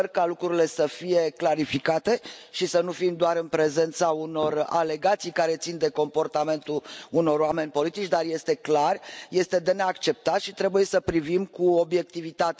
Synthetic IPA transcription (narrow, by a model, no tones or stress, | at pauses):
rkalukɾuɾile̞səfije̞klaɾifikat̪e̞ʃisənufimd̪oaɾɨnpɾe̞ze̞nt̪sauno̞ra̰le̞ɡat̪sijkaɾe̞t̪sind̪e̞ko̞mpo̞rt̪ame̞nt̪uluno̞roame̞nʲpo̞lit̪it͡ʃʲd̪arje̞st̪e̞klarje̞st̪e̞d̪e̞ne̞akt͡ʃe̞p̚t̪aʃit̪ɾe̞buje̞səpɾivimkuo̞bje̞k̚t̪ivit̪at̪